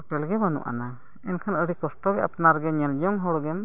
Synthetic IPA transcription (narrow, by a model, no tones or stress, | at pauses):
ʈɛlɡɛmanṵʔa̰na | ɛnkʰanəɽikɔsʈɔɡɛapnaɾɡɛɲɛld͡ʒɔŋɦɔɽɔɡɛm